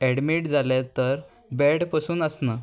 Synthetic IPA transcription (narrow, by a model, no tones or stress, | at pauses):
ɛɽmiːʈd͡zʱalet̪əɾ | bɛɽpəsuːnəsnəː